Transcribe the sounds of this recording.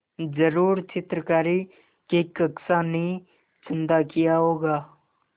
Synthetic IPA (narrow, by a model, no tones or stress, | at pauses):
d͡ʒəɾuːɾt͡ʃɪt̪ɾəkaːɾi | kekəksanĩ | t͡ʃɪ̃nd̪akijaɦoːɡaː